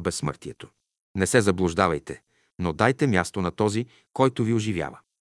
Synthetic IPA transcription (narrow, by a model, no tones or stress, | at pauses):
bɛsːmə̰ɾt̪iɛt̪o | nɛsɛzɐblˠʊʒd̪avɐjt̪ɛ | nod̪ajt̪ɛmʲjast̪onɐt̪ɔzi | kɔjt̪ʊviʊʒivʲja̰və